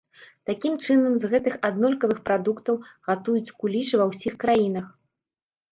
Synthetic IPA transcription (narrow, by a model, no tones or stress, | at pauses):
t̪akʲimt͡ʂɨnɐmzɣɛt̪ɨxad̪nɔlʲkɐvɨxpɾad̪ukt̪ɐwɣat̪ujut͡sʲkulʲit͡ʂvɐwsʲixkɾajinɐx